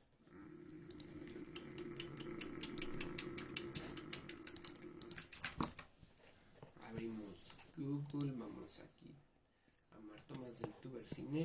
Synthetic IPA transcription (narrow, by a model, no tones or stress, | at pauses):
a̰βimoskukulmamo̰sa̰ki | a̰maɾt̪omazelt̪uβeɾsine